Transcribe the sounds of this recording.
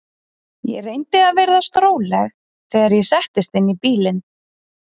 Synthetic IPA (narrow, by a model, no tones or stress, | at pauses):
jɛ̰ɾejnt̪ɪaðvejɾðast̪ɾoːwlɛx | θɛːɣaɾjɛsɛht̪ɪst̪ɪnːipiːlɪn